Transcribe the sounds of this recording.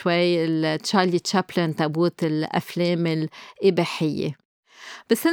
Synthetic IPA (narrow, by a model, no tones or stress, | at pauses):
wajɪltʃaːlit̪ʃaplɪnt̪abuːt̪ɪlʔa̰fleːmɪlʔɪbeːħɪjːḛ | b̥asːɪ